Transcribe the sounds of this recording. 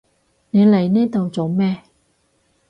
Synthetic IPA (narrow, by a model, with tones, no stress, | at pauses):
ne˨˧˦le˨˩jnɛː˥t̪o˨wt͡so˨˧wmɛː˥